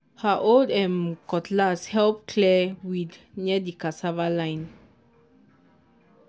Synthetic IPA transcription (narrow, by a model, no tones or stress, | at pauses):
haʔoldɛ̃mkɔtlashɛlp̚kʰlɛwidnɛdikasavalãɪ̃n